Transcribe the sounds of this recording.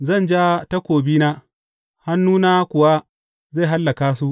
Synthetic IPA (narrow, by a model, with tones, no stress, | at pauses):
zɐ˦˨nd͡ʒaː˦ta˦kʷoː˨biː˦naː˦ | ha˦nːuː˦naː˦kʷʊ˨wa˦ | ze˦˨ɦa˦lːɐ˨kaː˦su˦ʔ